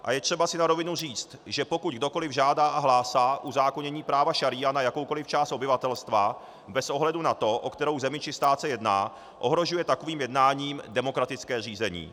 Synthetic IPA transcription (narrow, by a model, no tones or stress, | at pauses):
ʔa̰jɛt̪r̥ɛbasɪnaɾo̞vɪnur̝iːt͡st̪ʒɛpo̞kuɟɡ̚do̞ko̞lɪvʒaːdaːʔaɦlaːsaːʔuzaːkoɲɛɲiːpɾaːvaʃaɾianajakowko̞lɪft͡ʃaːst̪ʔobɪvat̪ɛlst̪va | bɛsʔo̞ɦlɛdunat̪o̞ʔokt̪ɛɾowzɛmɪt͡ʃɪst̪aːt̪sɛjɛdna̰ː | ʔo̞ɦɾo̞ʒujɛt̪ako̞viːmjɛdnaːɲiːmdɛmo̞kɾat̪ɪt͡skɛːr̝iːzɛɲḭː